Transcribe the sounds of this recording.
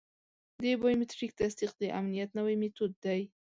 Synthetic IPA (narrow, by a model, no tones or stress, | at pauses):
d̪ebajmɪt̪ɾik̚t̪asd̪iq̚d̪əʔamnijat̪nawajmɪt̪ud̪ːaj